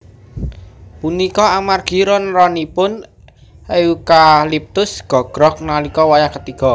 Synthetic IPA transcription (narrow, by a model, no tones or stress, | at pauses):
punikɔamarɡ̥i̤ɾɔnrɔnipʊn | eukalip̚t̪ʊsɡ̥ɔ̤ɡ̥ɾɔk̚nalikɔwajakət̪ikɔ̤